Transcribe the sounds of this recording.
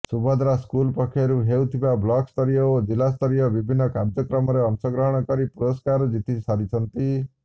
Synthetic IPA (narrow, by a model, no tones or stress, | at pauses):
subad̪ɾaskulpɔkʰːjɔɾuɦewt̪ʰibablɔkst̪ɔɾijɔod͡ʒilast̪ɔɾijɔbibʱinːɔkabd͡ʒɔkɾɔmɔɾeɔŋsɔɡɾɔɦɔɽ̃ɔkɔɾipuɾɔskaɾɔd͡ʒit̪ʰisaɾit͡ʃʰɔnt̪i